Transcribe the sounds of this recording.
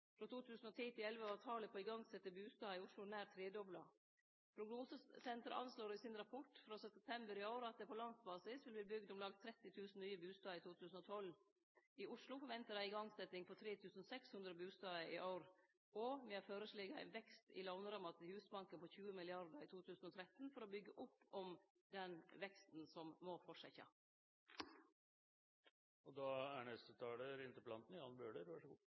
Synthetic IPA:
fɾot̪ʰuːt̪ʰʉːsn̩ɔt̪ʰiːt̪ɪlɛlʋəɑːt̪ʰɑːləpʰɔɪɡɑŋsɛt̪ːəbʉːst̪ɑːɪʊʂlʊnæːɾt̪ʰɾeːd̪ɔblɑ | pʰɾʊɡnuːsəsɛnt̪ɾə̰ʔɑ̰nsloːɾɪsɪnɾɑpʰɔʈfɾoːsɛɛp̚t̪ʰɛmbəɾɪɑʊɾɑt̪̚d̪ɛpʰɔlɑnsbɑːsɪsʋɪlb̪liːbʏɡd̪ɔmlɑːɡ̚t̪ʰɾɛt̪ːɪt̪ʰʉːsn̩nyːəbʉːst̪ɑːɪt̪ʰuːt̪ʰʉːsn̩ɔt̪ʰɔl | ɪʊʂlʊfɔɾʋɛnt̪əɾæɪɪɡɑŋsɛt̪ːɪŋpʰɔt̪ʰɾeːt̪ʰʉːsnsɛkshʉnd̪ɾəbʉːst̪ɑːəʔɪʔaʊɾ | ɔmɛæɾføːɾəsliːɡɑæ̰ɪnʋɛkst̪ɪ̰lɑʋnəɾɑmɑt̪ɪhʉːsbɑŋkənpʰɔçʉːəmɪlɪɑɾd̪əɾit̪ʰuːt̪ʰʉːsn̩ɔt̪ʰɾɛt̪nfɔɾɔbʏɡːəʔʊpːɔm | d̪ɛnʋɛkst̪n̩sɔmːɔfɔʂɛçɑ̰ | ɔd̪ɑːæɳɛst̪ət̪ʰɑːləɾɪnt̪əplɑnt̪n̩ɪɑnbøːɖəɾʋæʂɡuː

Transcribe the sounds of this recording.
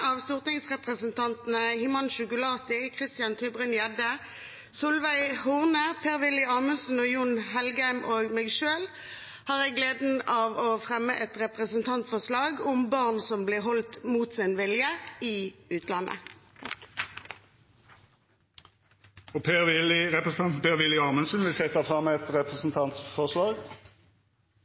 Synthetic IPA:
ɑːʋst̪uːʁt̪ɪŋsʁɛpʁəsənt̪ɑnt̪n̩əhɪmɑnʃʊkʊlɑːt̪ɪkʰʁɪst̪ɪjɑnt̪ʰybʁʏnjɛd̪ə | sʊlʋæɪhʊːʁnəpʰeːʁʋɪlɪɑːmʉnsn̩oːjʊnɦɛlɡæɪmʔoːɡmeːɡʃøːl | hɑːʁɛɡleːd̪n̩ɑːʋoːfʁɛmːəʔɛt̪ʁɛpʁəsənt̪ʰɑnt̪fɔʁslɑːɡʊmbɑʁnsɔmblɪʁɦɔlt̪muːt̪sɪnʋɪljəɪːʉːt̪lɑnʔə̰ | ɔpʰeːʁʋɪlɪʁɛpʁəs̩ɑnpeːʁʋɪlːɪɑːmənsənʋɪlsɛt̪ːəfʁɑməɛt̪ʁɛpʁəsnt̪ʰɑnt̪fɔʁslɑːɡ

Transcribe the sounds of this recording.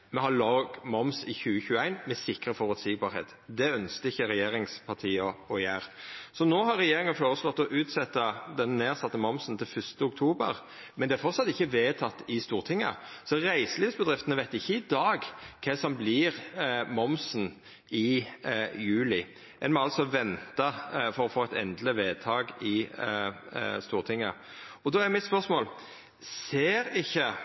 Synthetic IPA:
mɛhɑloːɡmɔmsɪçʉːəçʉːəæɪnmɛsɪkɾəfɔʁʉt̪siɡ̚bɑːɾhɛ̰ːt̪d̪ɛœnskəɪçːəɾɛjeːɾɪŋspʰɑʁt̪ʰiːɑɔjæːɾsɔnoːɦɑɾːɛjeːɾɪŋənfoːɾəslɔt̪ːɔʔʉːt̪sɛt̪ːəd̪ɛnːeːɾsɑt̪ːəmɔmsənt̪ʰɪlfʏst̪əʊk̚t̪ʰuːbə̰ɾ | mɛnd̪ɛæɾfɔɾt̪sɑt̪ːɪçːəʋeːt̪ʰɑt̪ːɪst̪uːʁt̪ʰɪŋːə̰sɔʁæɪsəliːfsbəd̪ɾʁɪft̪ənəʋæɪt̪ɪçːəɪd̪ɑːɡkʰɛsɔmblɪːʁmɔmsn | ɪ | jʉːlɪ | ʔɛnmɔɑlt̪sɔʋɛnt̪ɑfɔɾɔfoːæɪt̪ɛ̰nd̪ləʋeːt̪ʰɑːɡɪ | st̪uːʁt̪ʰɪŋːə̰ | ɔd̪ɔːæɾmɪt̪spœʁsmoːl | seːɾɪçːə

